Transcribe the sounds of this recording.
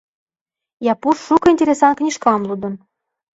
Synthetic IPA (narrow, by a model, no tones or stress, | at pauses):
jɑpuʃːukɤ̆inʲtʲeɾʲesɑnknʲiʃkɑmlˠud̪ɤ̆n